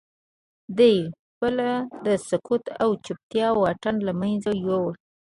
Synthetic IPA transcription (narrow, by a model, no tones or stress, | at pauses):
d̪əj | bəlad̪əsʊkʰut̪awt͡ʃup̚t̪jɑwɑʈanlamajnzajowa